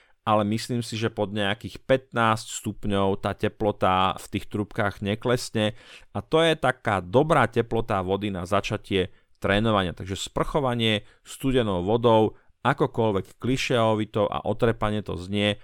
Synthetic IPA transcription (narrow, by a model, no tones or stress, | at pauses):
ʔalɛmisliːmsiʒɛpɔd̪ɲɛakiːxpɛt̪naːscst̪upɲɔʊt̪aːcɛplɔt̪aft̪iːxt̪ɾupkaːɣɲɛklɛsɲɛʔat̪ɔjɛt̪akaːd̪ɔbɾaːcɛplɔt̪aʋɔd̪inazat͡ʃacɪɛ | t̪ɾɛːnɔʋaɲɪat̪aɡʒɛspr̩xɔʋaɲɪɛ | st̪uɟɛnɔʊʋɔd̪ɔʊ | ʔakɔkɔlʋɛkːliʃɛɔʋit̪ɔʊʔa̰ʔɔt̪ɾɛpaɲɪɛt̪ɔ̰zɲɪɛ